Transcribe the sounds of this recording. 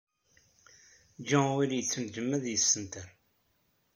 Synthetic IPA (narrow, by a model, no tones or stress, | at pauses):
d͡ʒæwiljət͡sːənd͡ʒəmːæðjəsːənt̪əɾ